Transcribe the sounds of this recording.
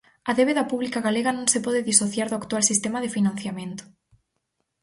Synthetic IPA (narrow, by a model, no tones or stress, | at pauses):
ɐðeβeðɐpuβlikaɣaleɣanõŋsɪpɔðɪðisoθjaɾðʊakt̪walsist̪emaðɪfinãn̟θjamẽnt̪ʊ̥